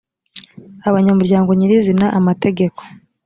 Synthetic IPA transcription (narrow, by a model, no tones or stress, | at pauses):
aβaɲamuɾɟaːŋɡo̞ɲiɾizinaʔamate̞ɡe̞ko̞̥